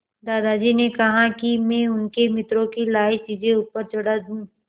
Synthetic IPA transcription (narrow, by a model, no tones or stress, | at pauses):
d̪aːd̪ad͡ʒiːnekɐɦakimɛ̃ːʊnkemɪt̪ɾõkilaːɪt͡ʃiːd͡ʒẽuːpəɾt͡ʃʊɽad̪ũː